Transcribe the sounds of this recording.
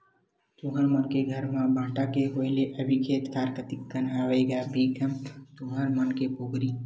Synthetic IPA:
t̪uɦəɾmənkeɡʱəɾmãbʱãːʈakekoɦileʔəbʱikʰeːt̪t̪ʰaːɾkət̪ikːənaʋeɡabʱiɡəmt̪uɦəɾmənkepoɡɾi

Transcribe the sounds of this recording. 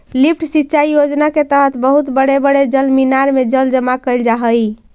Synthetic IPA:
lip̚ʰʈsitːʃʰaijod͡ʒnaket̪əɦət̪bəɦut̪bəɽebəɽed͡ʒəlminaɾmed͡ʒəld͡ʒəmakəld͡ʒaɦəi

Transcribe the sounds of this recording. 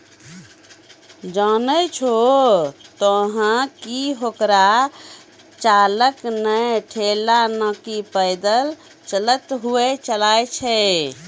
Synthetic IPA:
d͡ʒənət͡ʃʰo | t̪ɔɦə̃kiɦokɾa | t͡ʃaləknəjʈʰelanəkipəjd̪əl | t͡ʃələt̪ɦuet͡ʃəlajt͡ʃʰɛ

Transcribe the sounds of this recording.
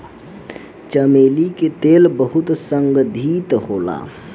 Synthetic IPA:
t͡ʃəmeːliket̪eːlbəɦʊt̪səŋɡd̪ʱiːt̪hoːla̰ː

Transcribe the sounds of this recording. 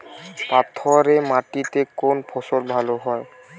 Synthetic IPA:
pat̪ʰːɔɾematit̪ekonpʰɔsɔɹbʱaloɦɔj

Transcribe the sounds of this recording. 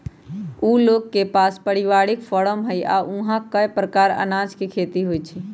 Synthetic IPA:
uːloɡːepaːspəɾiʋaːɽɪkfʰɔːɽəmɦəjʔa̰ːʔũɦãkəjpɾəkaːɾə̰nad͡ʒkekʰeːt̪iɦojt͡ʃʰi

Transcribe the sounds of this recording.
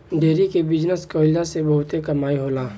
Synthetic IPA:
ɖeːɾikebɪd͡ʒnəskoːljasebɐɦʊt̪ekɐmaːiɦoːlaː

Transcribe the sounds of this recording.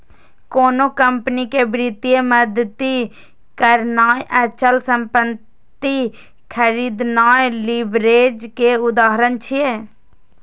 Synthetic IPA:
koːnokəmpnikebɾɪt̪ijeməd̪ʱt̪i | kəɾnaːjʔət͡ʃəlsəmpə | t̪i | kʰəɾiːd̪naːjlibɾeːd͡ʒkeʊd̪aːɦɾənt͡ʃʰieː

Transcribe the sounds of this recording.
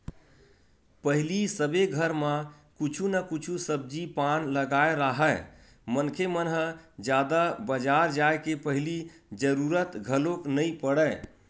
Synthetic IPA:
pəɦilisəbeɡʱəɾmã | kut͡ʃʰunəkut͡ʃʰusəb̚d͡ʒipanləɡaeɾəɦə | mənkʰemənɦəd͡ʒad̪abəd͡ʒaɾd͡ʒaekepəɦilid͡ʒəɾuɾət̪ɡʱəloknəipəɽə

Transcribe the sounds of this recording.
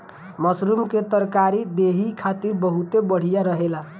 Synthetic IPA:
məsɾumket̪əɾkaɾid̪eɦikʰat̪iɾbəɦut̪ebəɽ̤ijaɾəɦela

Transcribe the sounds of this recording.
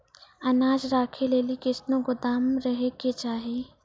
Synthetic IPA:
ɐnaːd͡ʒɾaːkʰeleːlikɪsnõɡʊd̪aːmɾəɦeket͡ʃaːɦeː

